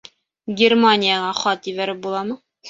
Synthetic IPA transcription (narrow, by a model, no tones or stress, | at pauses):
ɡʲermanʲɪjaʁɑχɒt̪jɘ̆βæɾɘp̚bulˠɑmɤ